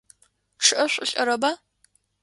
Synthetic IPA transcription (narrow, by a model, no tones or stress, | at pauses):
ʈ͡ʂʰɨʔɐɕʷʼʊɬʼɐɾɐbaː